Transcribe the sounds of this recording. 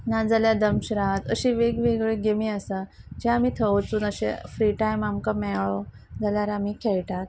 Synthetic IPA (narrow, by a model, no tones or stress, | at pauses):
nad͡zaljad̪əmɕɾat̪əɕiʋeɡʋeɡɭeɡemiasa | d͡ʑeamit̪ʰəʋt͡suːnəɕḛfɾiʈajmamkamɛɭɔ | d͡zaljaɾamikʰɛɭʈat̪̚